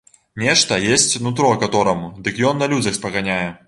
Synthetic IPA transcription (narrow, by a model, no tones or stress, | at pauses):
nʲɛʂt̪ɐjesʲt͡sʲvnut̪̬ɾɔkat̪ɔɾɐmud̪ɨkjɔnːɐlʲud͡zʲɐxspɐɣanʲajɛ